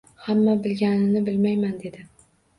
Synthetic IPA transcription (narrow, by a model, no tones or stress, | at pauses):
hamːabɪlɡʲanɪnɪbɪlmajmand̪e̞d̪ɪ